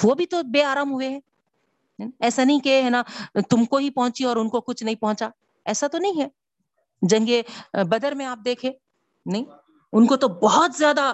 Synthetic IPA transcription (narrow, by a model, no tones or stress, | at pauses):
ʋoːbʱit̪obeːaːɾaːmɦʊeɦɛ̃ː | ɛːsanɐɦĩkeɦɛnat̪ʊmkoɦipɐɦʊ̃t͡ʃiɔːɾʊnkokʊt͡ʃʰnɐɦĩpɐɦʊ̃t͡ʃa | ɛːsat̪onɐɦĩɦɛː | d͡ʒɐ̃ŋɡebɐd̪əɾmẽaːp̚d̪eːkʰẽː | nɐɦĩ | ʊnkot̪obɔɦɔt̪zjaːd̪a